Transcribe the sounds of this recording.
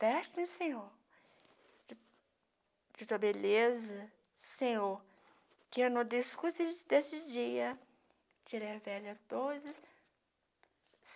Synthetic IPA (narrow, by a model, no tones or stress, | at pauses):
fɛt̪ĩsẽɲoɾ | d͡ʒɪt̪uɐbelezɐ | sẽɲoɾ | kɪenõd̪eskuzɪd̪esɪd͡ʒiɐ | t͡ʃiɾɛvɛlɐt̪ozɐs